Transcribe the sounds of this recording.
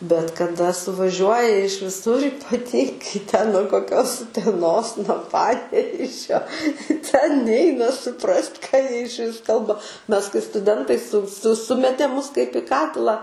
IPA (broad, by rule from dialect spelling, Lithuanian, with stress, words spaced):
bʲɛt kɐˈdɐ sʊʋɐˈʒʲuɔjɛ ɪʃ ʋʲɪˈsʊr iːpɐˈtʲiːŋɡɐɪ tʲɛn nuɔ koːˈkʲoːs ʊtʲɛˈnoːs nuɔ ˈpɑːnʲɛʋʲeːʒʲoː tʲɛn ˈnʲɛɪnɐ sʊˈprɐsʲtʲ kɑː ˈjiɛ ɪʃʲˈʋʲɪs ˈkɐlˠbɐ ˈmʲɛs kɐɪ stʊˈdʲɛntɐɪ sʊ sʊ ˈsʊmʲɛtʲeː ˈmʊs kɐɪp ɪ ˈkɑːtʲɪlˠɑː